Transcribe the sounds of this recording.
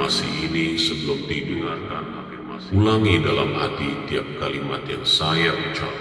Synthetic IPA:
masiinisəbəlʊmdidəŋarkan | ulaŋidala̰mhat̪it̪iap̚kalimat̪jaŋsajaʔut͡ʃap

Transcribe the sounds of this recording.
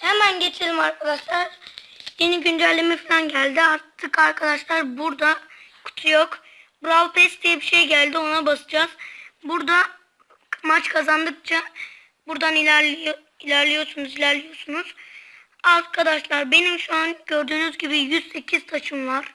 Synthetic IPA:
hemænɟe̞t͡ʃʰelʲimaɾkʰad̪aʃlˠaɾje̞niɟynd͡ʒælʲːimifilʲˠanɟælʲd̪iaɾt̪ʰːɯkaɾkʰad̪aʃlˠaɾbuɾd̪akʰu̥t̪ʰujok | bɾalˠpʰɛst̪ijɛbiʃejɟælʲd̪io̞nabasɯd͡ʒazbuɾd̪a | mat͡ʃkʰazand̪ɯk̚t͡ʃʰa | buɾd̪anilʲi | ilʲæɾlʲijo̞ɾsunuzilʲæɾlʲijo̞ɾsunuz̥ | aɾkʰad̪aʃlˠaɾbe̞nimʃuanɟø̞ɾd̪yːnyzɟibijyzse̞cʰizt̪ʰat͡ʃʰɯmvaɾ̥

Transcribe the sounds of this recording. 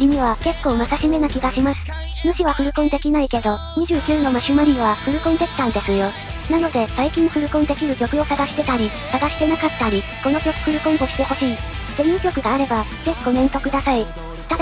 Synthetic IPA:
im̟iβ̞ake̞kːo̞ːmasaɕime̞nakʲiɡaɕimasɨ̥ | moɕiβaɸɯ̟ɾɯ̟kõ̞nd̪e̞kʲinaike̞d̪o̞ | ɲ̟iʑɨːkʲɨːno̞maɕɨmaɾʲiβaɸɯ̟ɾɯ̟kõnd̪e̞kʲi̥t̪ãnd̪e̞sɨjo̞ | nano̞d̪e̞saikʲĩɰ̃ɸɯ̟ɾɯ̟kõ̞nd̪e̞kʲiɾɯ̟kʲo̞kɯ̟o̞saɡaɕi̥t̪e̞t̪aɾʲi | saɡaɕi̥t̪e̞nakat̪ːaɾʲiko̞no̞kʲo̞kɯ̟̥kɯ̟ɾɯ̟kõ̞ŋo̞ɕi̥t̪e̞ho̞ɕiː | zẽ̞ĩkʲo̞kɯ̟d̪aːɾe̞baze̞çʲi̥ɡo̞nẽ̞nt̪o̞kɯ̟d̪asai | t̪ad̪

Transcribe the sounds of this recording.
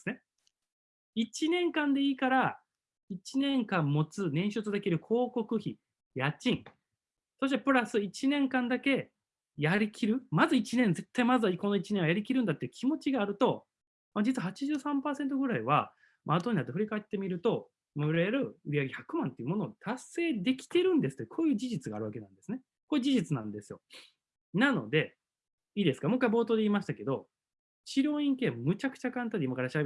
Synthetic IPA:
sɨne | it͡ɕinẽ̞ŋkãnd̪e̞iːkaɾa | it͡ɕinẽ̞ŋkãmːo̞t͡sɨnẽ̞ɰ̃ɕɨt͡sɨd̪e̞kʲiɾɯ̟kʰo̞ːko̞kɯ̟çi | jat͡ɕĩŋ | so̞ɕ̬it̪e̞pɯ̟ɾasɨit͡ɕinẽ̞ŋkãnd̪ake̞ | jaɾʲikʲʰiɾɯ̟mazɨit͡ɕinẽnd͡ze̞t̪ːaimazβakonoit͡ɕineɰ̃ajaɾʲikʲiɾɯ̟̃nd̪at̪ːeiɯ̟̥kʲʰimo̞t͡ɕiɡaːɾɯ̟t̪o̞ | mad͡ʑit͡sɨβahat͡ɕiʑɨːsãmpaːsent̪̬o̞ɡɯ̟ɾaiβa | mat̪oɲ̟inat̪ːeɸɯ̟ɾʲikaet̪ːe̞mʲiɾɯ̟t̪o̞ | mɯɾeaɾɯ̟ɯɾiaɡeçakɯ̟mãnt̪e̞jɯ̟mo̞no̞ːt̪ase̞ːd̪e̞kʲi̥t̪e̞ɾɯ̟̃nd̪esɨ̥t̪ːjkʰo̞ːjɯ̟ːd͡ʑiʑit͡sɨɡa̰ːɾɯake̞nãnd̪e̞sɨne | koːjɯ̟ːd͡ʑiʑit͡sɨnã̰nd̪esɨjo̞̰ | nano̞̰d̪e̞ | iːd̪e̞sɨ̥kamo̞kːaibo̞ːt̪o̞ːd̪e̞iːmaɕi̥t̪ake̞d̪o̞ | t͡ɕiɾʲõ̞ːĩŋke̞ːmmɯ̟t͡ɕakɯ̟̥t͡ɕakãnt̪ad̪eimakaɾaɕia

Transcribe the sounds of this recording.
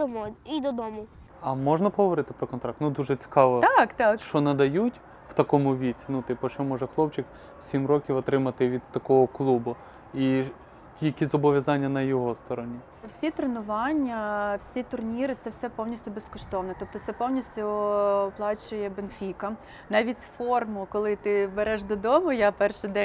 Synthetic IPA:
d̪ɔmɔid̪ɔd̪ɔmʊ | ɐmɔʒnɐpɔɦɔʋɔɾɪt̪ɪ̥pɾɔkɔnt̪ɾɑk̚t̪nud̪uʒɛt͡sʲi̥kɑʋɔt̪ɑkt̪ɑkʃt͡ʃɔnɐd̪ɐjutʲ | w̥t̪ɐkɔmʊʋʲit͡sʲinut̪ɪpɔt͡ʃt͡ʃɔmɔʒɛxlˠɔpt͡ʃɪk | wsʲimɾɔkʲiwɔt̪ɾɪmɐt̪ɪʋʲid̪t̪ɐkɔɦɔklˠubʊ | i | jɐkʲizɔbɔʋʲjɐzɑnʲːɐnɐjɔɦɔst̪ɔɾɔnʲi | wsʲit̪ɾenʊʋɑnʲːɐwsʲit̪ʊrnʲiɾɪt̪sɛwsɛpɔwnʲisʲtʲʊbeskɔʃt̪ɔʋnɔt̪ɔp̚t̪ɔt̪sɛpɔwnʲisʲtʲʊɔplˠɑt͡ʃʊjɛbenfʲikɐ | nɑʋʲitʲfɔrmʊkɔlˠɪt̪ɪbeɾɛʃd̪ɔd̪ɔmʊjapɛrʃɪd̪ɛ

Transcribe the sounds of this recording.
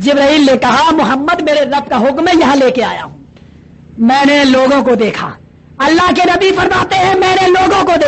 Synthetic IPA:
d͡ʒɪbɾəiːlnekɐɦamʊɦəmːəd̪meːɾeɾɐb̚kaɦʊkmẽjɐɦãleːkea̰ːja̰ɦũ | mɛ̃ːneloːɡõkod̪eːkʰa̰ː | ɐlːaɦkenɐbifɐɾmaːt̪eɦɛ̃mɛ̃ːneloːɡõkod̪ː

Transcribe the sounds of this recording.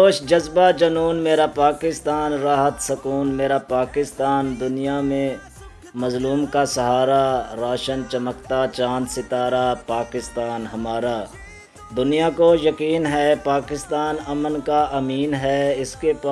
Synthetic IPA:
oːʃd͡ʒɐzbad͡ʒɐnuːnmeːɾapaːkɪst̪aːnɾaːɦət̪sɐkuːnmeːɾapaːkɪst̪aːnd̪ʊnijamẽ | mɐzluːmkasɐɦaːɾaɾaːʃənt͡ʃɐməkt̪at͡ʃãːnd̪sɪt̪aːɾapaːkɪst̪aːnɦɐmaːɾaː | d̪ʊnijakojɐkiːnɦɛpaːkɪst̪aːnɐmənkaʔɐmiːnɦɛɪskepa

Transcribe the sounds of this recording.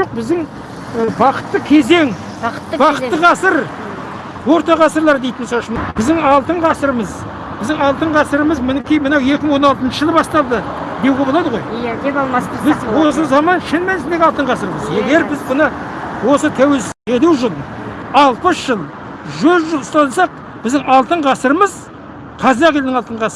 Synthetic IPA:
ʒoq̚bɪzd̪ɪŋ | bɑqə̥t̪ːəkʲʰe̞ze̞ŋ | ət̪ːbɑqə̥tt̪ːəʁɑsəɾ | wo̞ɾt̪ɑʁɑsəɾlˠɑɾd̪e̞jt̪ɪnsɑʃəmbɪzd̪ɪŋɑlˠt̪əɴʁɑsəɾəməz | b̥ɪzd̪ɪŋɑlˠt̪əɴʁɑsəɾəməzmɪnɪkʲijmənɑwje̞kʲɪmɪŋwo̞nɑlˠt̪ənʃəʒəlˠəbɑst̪ɑlˠd̪ə | d̪epobolˠɑd̪əʁo̞jlˠsbɪzwo̞s̬əzɑmɑnʃɪnmænsɪnd̪e̞ɡʲɪɑlˠt̪əɴʁɑsəɾməzje̞ɡʲe̞ɾbɪzbənəwo̞sət̪ʰæwe̞lsɪed̪uʒʊlˠɑlˠpəsʒ̥əlˠ | ʒɵzʒʊlˠst̪ɑsɑq̚ | b̥ɪzd̪ɪŋɑlˠt̪əɴʁɑsəɾəməz | qʰɑzɑqjeld̪ɪŋɑlˠt̪əɴʁɑsə

